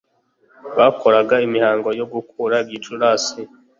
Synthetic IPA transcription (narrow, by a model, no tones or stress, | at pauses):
βakʰo̞ɾaɡaimihaːŋɡo̞jo̞ɡukʰuːɾabjit͡ʃuɾaːsi